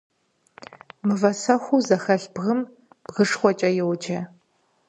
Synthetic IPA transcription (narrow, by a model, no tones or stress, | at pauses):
mɨvɐsɐxʷuzɐxɐɬb̥ʁɨm | b̥ʁɨʂχʷɔt͡ʃʼɐjɛwd͡ʒɐ